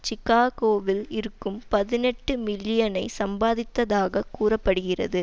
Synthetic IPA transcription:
t͡ʃɪkaːɣoːʋɪlɪɾɯkːɯmpɐðɪnɛʈːɯmɪlːɪjɐnɐɪsɐmbaːðɪt̪ːɐðaːɣɐkuːrɐpːɐɽɯɣɪrɐ̰ðɯ

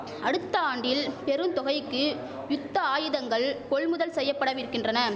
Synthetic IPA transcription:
ɐɽɯt̪ːɐaːɳɖɪlpɛɾɯnt̪ɔɣɐɪkːɯ | jʊt̪ːɐaːjɯðɐŋɡɐɭkɔɭmʊðɐlsɛjːɐpːɐɽɐʋɪɾɯkːɪndrɐnɐ

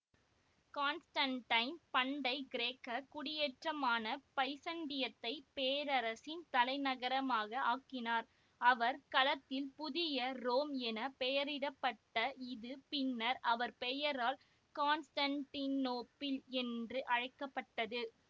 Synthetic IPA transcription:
kaːnsʈɐnʈɐɪnpɐɳɖɐɪɡɪɾeːkːɐkʊɽɪjɛʈrɐmaːnɐpɐɪsɐɳɖɪjɐt̪ːɐɪpeːɾɐɾɐsɪnt̪ɐlɐɪnɐɣɐɾɐmaːɣɐaːkːɪnaːɾ | ɐʋɐɾkɐlɐt̪ːɪlpʊðɪjɐɾoːmɛnɐpɛjɐɾɪɽɐpːɐʈːɐɪðɯpɪnːɐɾʔɐʋɐɾpɛjɐɾaːl | kaːnsʈɐɳʈinːoːpːɪlɛndrɯʔɐɻɐɪkːɐpːɐʈːɐðɯ

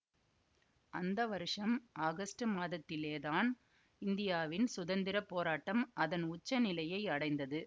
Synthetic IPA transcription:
ʔɐnd̪ɐʋɐɾɯʂɐmʔaːɣɐsʈɯmaːðɐt̪ːɪleːðaːn | ɪnd̪ɪjaːʋɪnsʊðɐnd̪ɪɾɐpːoːɾaːʈːɐmɐðɐnʊt͡ʃːɐnɪlɐjɐɪɐɽɐɪnd̪ɐðɯ

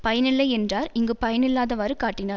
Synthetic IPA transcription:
pɐjɐnɪlːɐɪɛndraːɾɪŋɡɯpɐjɐnɪlːaːðɐʋaːɾɯkaːʈːɪnaː

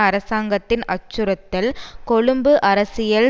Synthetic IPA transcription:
ɐɾɐsaːŋɡɐt̪ːɪnʔɐt͡ʃːɯɾɐt̪ːɪlkɔɻɯmbɯʔɐɾɐsɪjɐl

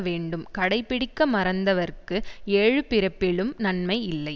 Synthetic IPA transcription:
ʋeːɳɖɯmkɐɽɐɪpːɪɽɪkːɐmɐɾɐnd̪ɐʋɐɾkːɯeːɻɯpɪɾɐpːɪɭɯmnɐnmɐɪɪlːɐɪ

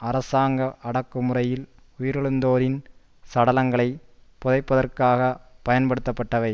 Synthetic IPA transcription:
ɐɾɐsaːŋɡɐʔɐɽɐkːɯmɯrɐjɪl | ʊjɪɾɛɭɯnd̪oːɾɪn | sɐɽɐlɐŋɡɐɭɐɪpɔðɐɪpːɐðɐrkaːɣɐpɐjɐnpɐɽɯt̪ːɐpːɐʈːɐʋɐɪ

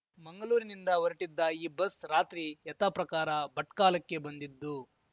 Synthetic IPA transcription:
mɐŋɡɐɭuːɾinind̪ɐʋɐɾiʈid̪ːɐiːbɐsɾaːt̪ɾijɐt̪apɾɐkaːɾɐbɐʈkaːlɐkːe̞bɐnd̪id̪ːu

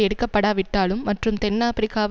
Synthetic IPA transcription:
ɛɽɯkːɐpːɐɽaːʋɪʈːaːlɯmːɐʈrɯmt̪ɛnːaːpɾɪkaːʋ

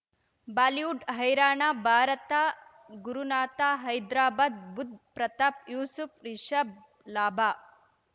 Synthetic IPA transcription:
baːliuɖɦɐjɾaːɳaːbʱaːɾɐt̪aː | ɡuɾunaːt̪aːɦɐjd̪ɾaːbaːd̪̚bud̪̚ʱpɾɐt̪ap̚juːsufʰɾiʃɐb̚ | laːbaː

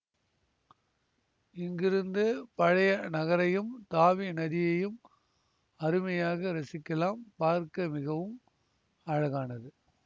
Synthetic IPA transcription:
ɪŋɡɪɾɯnd̪ɯpɐɻɐjɐnɐɣɐɾɐjɯmt̪aːʋinɐðɪjɐjɯm | ɐɾɯmɐjaːɣɐɾɐsɪkːɐlaːmpaːɾkɐmɪɣɐʋɯm | ɐɻɐɣaːnɐðɯ

